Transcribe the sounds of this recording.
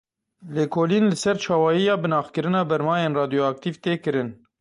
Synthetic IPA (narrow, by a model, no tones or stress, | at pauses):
leːkʰoːlinlɨsɛɾt͡ʃʰɑːwɑːjijɑːbɨnɑːxkɨɾɨnɑːbɛɾmɑːjeːnrɑːd̪ijoɑk̚t̪iːvt̪eːkɨɾɨn